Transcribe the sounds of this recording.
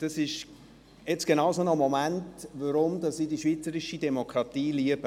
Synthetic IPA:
d̥ɑsɪʃ | jɛt͡sɡ̥enɑwsonɔmɔmæntʋəɾʊmdɑsːiːdiʃviːt͡səɾɪʃid̥ɛmokɾɑt̪iːliəb̥ə

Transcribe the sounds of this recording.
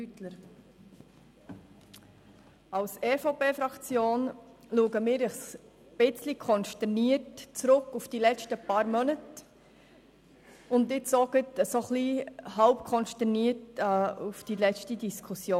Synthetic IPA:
ytləɾ | ɑlseːfopeːfɾɑkt͡sjoːnluːəɡəmɪːɾɪχs | b̥ɪt͡slikʰɔnʃtɛɾniətt͡sɾʊkːufd̥ilɛt͡ʃtəpɑːɾmœnət | ʊndɪsɔɡətsoχliːhɑʊpkʰɔnʃtɛɾniːətːufd̥ilɛt͡ʃtidiskʰusjoː

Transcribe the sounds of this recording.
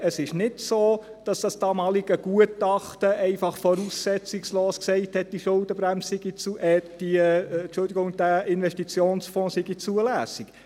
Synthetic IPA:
əsɪʃnɪdsoː | d̥ɑsd̥ɑsd̥ɑːmɑːliɡ̥əɡ̥uətɑχtəʔɛɪfɑχfɔɾuːsːɛt͡sɪksloːsksɛɪthɛt̚d̥iʃʊld̥əbɾæmssɪɡit͡suɛd̥it͡ʃʊldiɡʊŋd̥æʔɪnʋɛʃtit͡sjoːnsfɔ̃ːsɪɡit͡suəlæːsɪk

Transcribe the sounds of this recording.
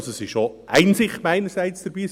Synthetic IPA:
soɛsɪʃʃoʔæɪnsɪχmæɪnəɾsæɪt͡sd̪̥əɾb̥iː

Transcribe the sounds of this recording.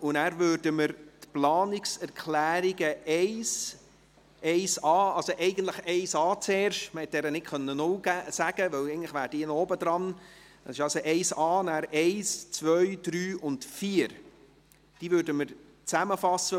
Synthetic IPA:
ʊnæːɾvøːɾdəməɾtplɑːnɪksɛɾkʰlæːɾiɡəɛɪs | ɛɪsɑːɑlsoʔɛɪɡən̩t̪ləχɛɪsɑːt͡seːɾʃtməhɛt̪̚ːdɛːɾənɪtkχœnːənʊlɡæsæɡ̥əʋœwɛɪɡəntləχʋæːɾd̥iːnɔːbəd̥̪ɾɑn | dɑsɪʃɑlsoʔɛɪsɑːnæːɾeɪst͡sʋœʏd̥ɾyːʔʊntfiːəɾ | d̥iːvøːɾdəməɾ | t͡sæməfɑsə

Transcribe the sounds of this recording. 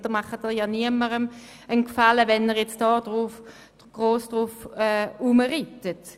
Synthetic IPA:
d̥omɑχətɛjɑːniəməʁən | ənkfaləvɛnəʁjɛt͡sd̥ɑːd̥ʁuf | ɡ̥ʁoːsd̥ʁufɛuməʁitət

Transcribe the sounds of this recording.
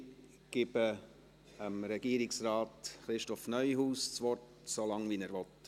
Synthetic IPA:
ɡ̥ɪb̥ə | əmɾɛɡ̥iːɾɪksɾɑːtχɾɪʃtɔfnœʏɦuːst͡sʋɔt | solɑŋvinæːɾʋɔt

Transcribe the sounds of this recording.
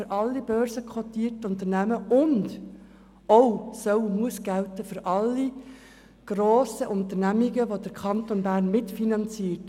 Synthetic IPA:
ɾʔɑlːib̥œːɾzəkʰχotiːtʊnt̪əɾnæməʊnd | ɔwsœwmuəsɡ̥æltəfɵɾʔɑlːi | ɡ̥ɾoːsəʔʊnt̪ənæmiɡəʋod̥̪əɾkʰɑntonbæːɾnmɪtfinɑnt͡siːət

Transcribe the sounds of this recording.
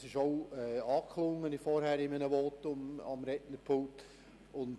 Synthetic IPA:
sɪʃoʊɛːɑːkʰlʊŋːənɪfɔɾhæːɾɪmənəʋɔːtʊmɑ̰mɾɛtnəɾpʰoːt | ʊnd

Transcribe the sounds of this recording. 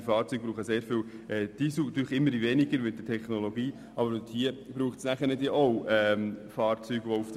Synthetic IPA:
ifɑːɾt͡syːɡ̚b̥ɾuːχəseːɾfɪw | ʔɛd̥isuːɑt̪yːɾlχɪmːəɾdivɛnɪɡəɾmɪdətʰɛχnoloɡiː | ʔɑbəɾthiəb̥ɾuːχtsnæχəɾnɛd̪iʔowɛmfɑːɾt͡syːɡ̥ʋɔuf

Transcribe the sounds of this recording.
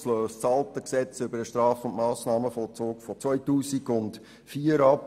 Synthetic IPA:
sløːst͡sɑltəksɛt͡sʏbəɾəʃtɾɑːfʊntmɑːsnɑːməfɔlt͡sʊːkfɔt͡svœʏtuːsiɡʊnt | fiːəɾɑp

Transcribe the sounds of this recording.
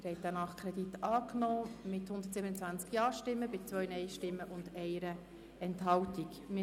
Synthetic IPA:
ɾhɛɪt̚ːanɑχkʰɾɛditɑːknɔːmɪthʊndətsibənət͡sʋænt͡skjɑːʃtɪmːəbɪt͡sʋœʏənɛɪʃtɪmːəʔʊndɛɪəɾə | ɛntɦɑltik | mɪ

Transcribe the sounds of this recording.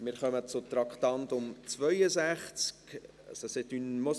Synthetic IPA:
mɪɾχœmət͡sʊt̪ɾɑkχt̪ɑntʊmt͡svœjəzæχt͡sk | ɑ̰sɔsɪt̪ynmo

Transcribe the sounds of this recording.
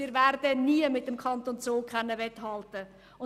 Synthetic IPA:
ɪːɾvæɾdəniəmɪtːəmkʰχɑntont͡soːkʰχɛnːəʋɛthɑltə | ʊ

